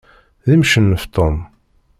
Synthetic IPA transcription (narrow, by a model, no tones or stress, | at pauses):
ðimʃənːəft̪ˤom